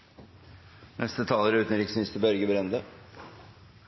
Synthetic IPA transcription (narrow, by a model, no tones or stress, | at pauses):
nʔɛst̪ət̪ʰɑːləɾʉːt̪n̩ɾɪksn̩ɪst̪əbœɾɡəbɾɛnd̪ə